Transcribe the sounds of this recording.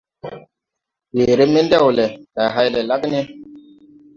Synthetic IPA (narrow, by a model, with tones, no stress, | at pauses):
we˨ɾe˦me˦ndɛ˦˨wle˨ta˨ɦa˦jle˨la˦kne˦